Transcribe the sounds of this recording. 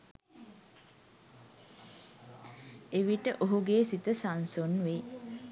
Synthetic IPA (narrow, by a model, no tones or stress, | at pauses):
eʋiʈəʔoɦuɡeːsit̪əsansonʋe